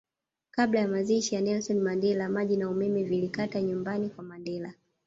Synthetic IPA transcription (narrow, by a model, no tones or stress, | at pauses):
kaɓlajamaziʃijanɛlsɔnmandɛlamaʄinaumɛmɛvilikataɲumbanikwamandɛla